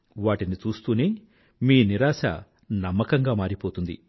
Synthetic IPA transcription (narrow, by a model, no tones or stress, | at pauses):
ʋaːʈinit͡ʃuːst̪uːneː | miːniɾaːʃɐ̰ | nɐmːɐkɐŋɡaːmaːɾipoːt̪und̪ḭ